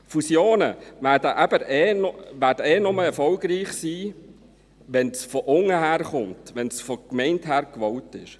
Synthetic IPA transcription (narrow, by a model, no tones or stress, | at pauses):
fusjoːnəʋæːdəʔæb̥əɾɛːnɔʋæːdɛːnʊməɛɾfɔʊɡɾiːχsiː | ʋɛnsfɔʔʊŋəɦæːɾχʊmtʋɛnsfɔkmɛɪnthæːɾkʋɔʊtɪʃ